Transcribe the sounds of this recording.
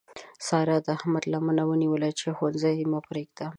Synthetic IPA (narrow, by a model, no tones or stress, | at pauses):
sɑɾad̪ahmad̪lamanawəniwəlat͡ʃexanzajimapɾeɡ̚d̪a